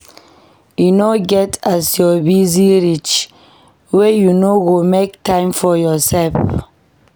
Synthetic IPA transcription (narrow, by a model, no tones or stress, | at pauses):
junoɡɛtasjɔbiziɹit͡ʃ | wejunowomek̚tãɪ̃mfɔjɔsɛlf